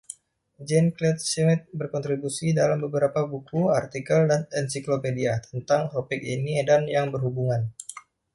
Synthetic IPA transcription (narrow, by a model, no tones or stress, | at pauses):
d͡ʒɛnklɛt̪̚simɪt̪̚bərkɔnt̪ɾibusidalambəbəɾapabukuart̪ikəldanɛnsiklopediat̪ə̥nt̪aŋt̪opɪk̚inidanjaŋbərɦubuŋan